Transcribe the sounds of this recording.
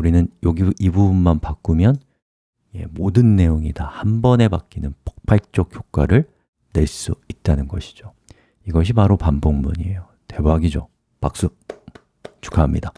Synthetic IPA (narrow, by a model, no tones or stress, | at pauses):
uɾinɯnjʌɡiibubunmanpak͈umjʌn | jḛmodɯnːe̞joŋidahambʌne̞bak͈inɯnpʌ̥k̚pʰaɭt͡ɕ͈ʌk̚k͈ʰjok͈aɾɯɭ | ne̞ɭs͈uit̚t͈anɯnɡʌɕʰi̥d͡ʑo | iɡʌɕ̬ʰipaɾopamboŋmuɲiejo | te̞baɡid͡ʑo | pak̚s͈u | t͡ɕu̥kʰamɲida